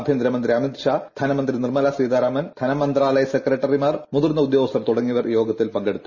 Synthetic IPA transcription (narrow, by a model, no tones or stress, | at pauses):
bʱjɐnd̪ɾɐmɐnd̪ɾiɐmit̪ɕaːd̪ʱɐnɐmɐnd̪rinirmɐlaːsiːd̪aːɾaːmɐnd̪ʰʱɐnɐmːɐnd̪raːlɐjɐsekrɐʈːɐrimaːrmuðurnːɐud̪jo̞ːɐst̪ɐmt̪uɽɐŋːiʋɐrjo̞ːɡɐt̪ːilpɐŋɡeɽut̪ːu